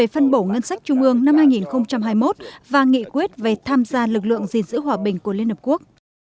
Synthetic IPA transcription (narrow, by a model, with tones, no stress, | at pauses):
e˧˨˩fə˧nɓo˧˩ŋə˧nsa˦˥jk̟̚t͡ɕʊ˧ŋ͡mʔɨ˧əŋna˧mhaː˧jŋi˨˩nxə˧wŋ͡mt͡ɕa˧mɦaː˧jmo˦˥t̚vaː˨˩ŋḭ˧˨kwi˦˥t̚ve˨˩t̪ʰaː˧mzaː˧lɨ˨˩k̚lɨ̰˧˨əŋzi˨˩nzɨ̰˧˥ɦwaː˨˩ɓï˨˩ŋ̟ku˧˩əli˧ənhə˨˩p̚ku˦˥ək̚